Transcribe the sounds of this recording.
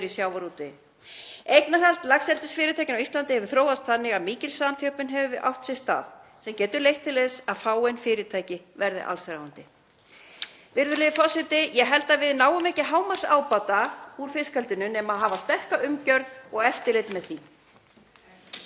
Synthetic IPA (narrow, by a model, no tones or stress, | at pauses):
ɾisjawvaɾuːt̪ɪ | ejknaɦalt̪laxsɛlt̪ɪsfɪːɾɪt̪ʰajcɪnawist̪lant̪ɪhɛvʏɾ̥θɾoːwðast̪θanːɪɣaðmiːcɪlsaðant̪ʰjœwpɪnɦɛvʏvɪʔa̰wht̪sɪst̪a̰ːðsɛmcɛːt̪ʏɾlejht̪ʰːɪleðsaðfaːwejnfɪːɾɪt̪ʰaːjcɪ | vɛɾðɪ̰ʔa̰lsɾaːwant̪ɪ | vɪɾðʏlɪːðɪfɔsɪt̪ɪjɛɦɛlt̪avɪðnaːwʏmɛcɪɦaːwmar̥saːwpat̪auɾ̥fɪskalt̪ʏnʏnɛmaðɦaːvast̪ɛr̥kaʏmcœɾðɔɣɛft̪ɪlet̪mɛðθi